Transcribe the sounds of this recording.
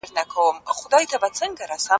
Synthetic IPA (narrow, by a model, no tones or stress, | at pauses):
rnakʰawmχʷdaitʰabat͡sʰɨnɡaɾasa